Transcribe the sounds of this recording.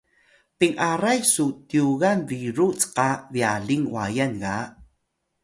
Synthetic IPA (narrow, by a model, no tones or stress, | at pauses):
piŋʔaɾajsutiuɣanviɾut͡sqaviaɮiŋwa̰janɣa